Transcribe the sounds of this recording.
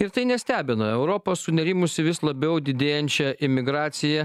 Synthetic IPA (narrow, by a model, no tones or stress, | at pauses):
ɪɾt̪ɐɪnʲɛsʲt̪ʲæːbʲɪnoɛʊɾoːpoːssʊnʲɛɾʲɪmʊsʲɪʋʲɪslˠɐbʲɛʊd̪ʲɪd̪ʲeːjɛnʲt͡ʃʲɛʔɪmʲɪɡɾɑːt̪sʲɪjɛ